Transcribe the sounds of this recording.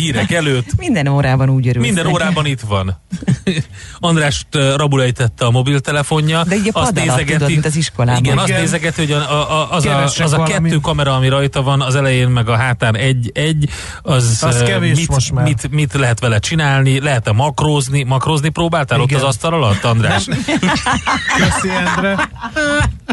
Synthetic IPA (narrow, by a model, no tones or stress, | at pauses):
hiːɾɛkɛløːt̪ːmind̪ɛnoːɾaːbɒnuːɟøɾmind̪ɛnoːɾaːbɒnit̪ʋɒn | ɒnd̪raːʃtrɒbulɛjit̪ɛt̪ːɛɒmo̞bilt̪ɛlɛfo̞ɲːɒld̪ɛiːɒsd̪eːzɛɡɛt̪it̪ziʃkolaːiɡɛnɒsneːzɛɡɛt̪iho̞ɟʔɒzɒzɒkɛtːøːkɒmɛɾɒːmiɾɒjt̪ɒvɒnɒzɛlɛjeːnmɛɡɒɦaːt̪aːnɛɟːɛɟː | ɒzɛvemimʃmit̪mit̪lɛɦɛt̪ʋɛlɛt͡ʃinaːlnilɛɦɛt̪ɛmɒkroːznimɒkroznipɾoːbaːlt̪ɛːlo̞t̪ːɒzɒst̪ɒlɒlɒt̪ːɒnd̪ra̰ːʃ | bɛseɾɛ